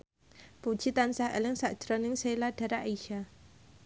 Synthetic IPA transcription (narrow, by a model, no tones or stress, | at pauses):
pud̥ʒ̥it̪ansahḛlɪŋsaʔd̥ʒ̥ɾɔnɪŋsejlaɖ̥a̤ɾaʔiʃa